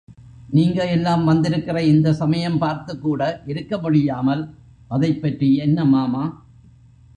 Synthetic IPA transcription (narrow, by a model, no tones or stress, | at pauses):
niːŋɡɐɛlːaːmʋɐnd̪ɪɾɯkːɪrɐɪnd̪ɐsɐmɐjɐmpaːɾt̪ɯkːuːɽɐʔɪɾɯkːɐmʊɽɪjaːmɐl | ʔɐðɐɪpːɐʈriɛnːɐmaːmaː